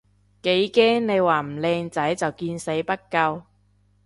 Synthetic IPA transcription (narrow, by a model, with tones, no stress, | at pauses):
ke˨˥jkɛː˥ŋne˨˧jwaː˨˩m̩˨˩lɛː˧ŋt͡sɐ˨˥jt͡sɐ˨wkiː˧nse˨˥jpɐ˥t̚kɐ˧w